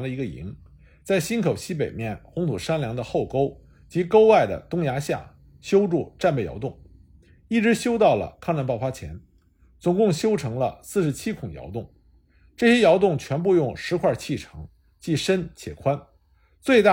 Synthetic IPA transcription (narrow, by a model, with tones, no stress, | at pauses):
nlə˧i˧˥ɡə˧ḭ˧˥ŋ | t͡sa˥˩ɪɕi˥nkʰo˨˩ʊɕi˥p̬e˨˩ɪmjɛ˥˩nxʊ˧˥ŋt̪ʰu˨˩ʂa˥nljɑ˧˥ŋd̪ə˧xo˥˩ʊko˥ʊ | t͡ɕi˧˥ko˥ʊwa˥˩ɪd̪ə̰˩t̪ʊ˥ŋja˧˥ɕja̰˥˩ | ɕjo˥ʊʈ͡ʂu˥˧˩ʈ͡ʂa˥˧npe˥˩jɑ̰˧˥ʊt̪ʊ˥˩ŋ | i˥˩ʈ͡ʂɻ̩˧˥ɕjo˥ʊt̪ɑ˥˩ʊlə̰˩kʰɑ˥˧ŋʈ͡ʂa˥˧npɑ˥˩ʊfa˥t͡ɕʰjɛ̰˧˥n | t͡sʊ˨˩ŋkʊ˥˩ŋɕjo˥ʊʈ͡ʂʰɤ˧˥ŋlə̰˧sɹ̩˥˩ʂɻ̩˧˥t͡ɕʰi˥kʰʊ˨˩ŋjɑ̰˧˥ʊt̪ʊ˥˩ŋ | ʈ͡ʂɤ˥˩ɕjɛ˥jɑ˧˥ʊt̪ʊ˥˩ŋt͡ɕʰɥɛ˧˥npu˥˧jʊ˥˩ŋʂɻ̩˧˥kʰwa˥˧t͡ɕʰi˥˩ʈ͡ʂʰɤ˧˥ŋ | t͡ɕi˥˩ʂə˥nt͡ɕʰjɛ̰˨˩kʰwa˥n | t͡swe˥˧ɪt̪a˥˩